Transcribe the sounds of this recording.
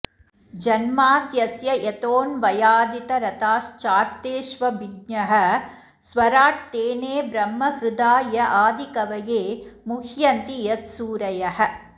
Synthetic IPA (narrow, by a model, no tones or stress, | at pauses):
d͡ʒɐnmaːt̪jɐsjɐʔet̪oːnʋɐjaːd̪it̪ɐɾɐt̪aːst͡ʃaːɾt̪eːʃʋɐbiɡɲɐɦɐ | sʋɐɾaːʈ̚t̪eːneːbɾɐmːɐhɾʊd̪aːjɐʔaːd̪ikɐʋɐjeːmukʰjɐnt̪ijɐt̪suːɾɐjɐɦɐ̆